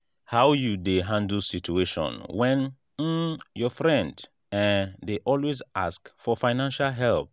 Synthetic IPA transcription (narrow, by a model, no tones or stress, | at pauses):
haʊjudeɦãndl̩sit͡ʃueʃɔ̰̃nwɛ̃n̩ | jɔfɹɛ̃nd | ɛ̃deʔɔlwezaskfɔfaɪnãnʃalɦɛlp̚